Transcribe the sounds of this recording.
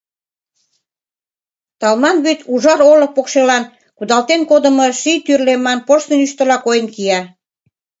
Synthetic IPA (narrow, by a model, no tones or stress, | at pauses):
t̪ɑlmɑnβyt̪uʒɑɾolə̆k̚pokʃelɑn | kud̪ɑlt̪enkod̪ə̆moʃit̪yrlemɑnpoʃt̪ənyʃt̪ə̆lɑkojənkiɑ